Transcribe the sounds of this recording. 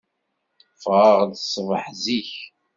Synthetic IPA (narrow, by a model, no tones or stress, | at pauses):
fʁəʁðsˤvəħziç